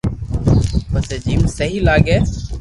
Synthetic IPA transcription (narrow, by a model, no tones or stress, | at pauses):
pəseːd͡ʒiːmsəɦiːlaːɠeː